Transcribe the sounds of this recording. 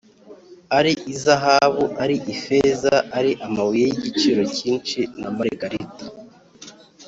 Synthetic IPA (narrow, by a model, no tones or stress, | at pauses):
aɾiʔizaɦaβuʔaɾiʔifezaʔaɾiʔamawijejiɟit͡ʃiɾo̞ciːnt͡ʃinamaɾiɡaɾiti̥